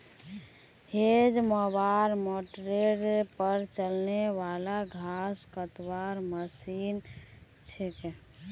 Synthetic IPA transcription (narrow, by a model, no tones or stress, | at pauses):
hed͡ʒmɔbaɾmoʈɾeɖpəɾt͡ʃəlneʋalaɡʱaskət̪waɾməsin | t͡ʃʰeke